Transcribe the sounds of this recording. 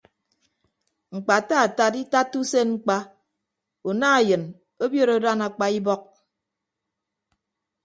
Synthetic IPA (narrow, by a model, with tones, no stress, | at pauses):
ŋ͡m̩˨k͡pa˨ta˦a˨ta˦˨ti˦ta˦tːu˦se˦ŋ͡m̩˦k͡pa˦ | u˨na˦a˨jɨ˨n | o˦bjo˦ɾo˨˦da˦na˨k͡pa˦i˦bɔ˦k̚